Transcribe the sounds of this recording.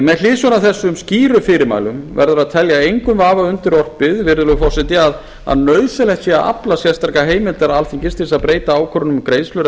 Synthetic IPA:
mɛðl̥ɪːsɔnaθɛsːʏmsciːɾʏfɪːɾɪɾma̰ːjlʏmvɛ̰ɾðʏɾaðt̪ʰɛljaejŋkʏmvaːvaʏnt̪ɪɾɔr̥pɪðvɪɾðʏɾʏfɔwsɛt̪ɪað | a̰ðnœːɥsɪlɛxt̪siaʔa̰plasjɛ̥st̪aɾkaɦeːjmɪnt̪ɛɾaalθiɲcɪst̪ɪsaðpɾeːjt̪aaːwkʰɔɾʏnʏmkɾejslʏɾ

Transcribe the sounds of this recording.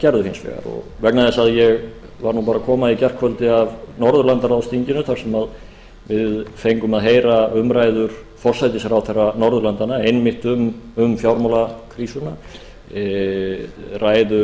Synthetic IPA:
cɛɾðʏhɪnsvɛ̰ːɣa̰ɾɔ̰ɣvɛknaðɛsaðjɛɣ | vaɾnupaːɾakʰɔːmaicɛr̥kʰvœlt̪ɪavnɔɾðʏɾlant̪aɾawst̪iɲcɪnʏθʰaɾ̥sɛmað | vɪðfejŋkʏmaðɦeːjɾaʏmɾaːjðʏɾ̥ | fɔr̥sajt̪ɪsɾawθɛrːanɔɾðʏlant̪anaejnmɪht̪ʏmʏmfjawɾmawlakʰɾisʏna | raːjðʏ

